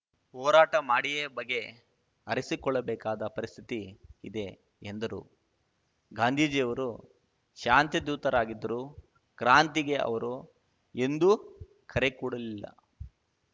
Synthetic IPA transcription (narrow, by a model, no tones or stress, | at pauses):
ɦɔːɾaːʈɐmaːɽijebɐɡːe̞ | ɐɾisikɔɭːɐbɛːkaːd̪ɐpɐɾist̪ʰit̪iid̪e̞ | end̪ɐɾṵ | ɡaːnd̪ʱiːd͡ʒijɐʋɐɾu | ʃaːnt̪id̪uːt̪ɐɾaːɡid̪ːɐɾu | kɾaːnt̪iɡe̞ɐ̰ʋɐɾu | e̞nd̪u | kʰɐɾe̞kuːɽɐlilːɐ̰